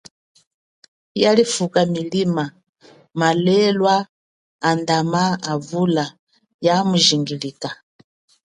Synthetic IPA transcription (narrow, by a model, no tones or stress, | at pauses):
jalifukamilima | malɛlwaː | ndamaːvula | jamuʒiŋɡilika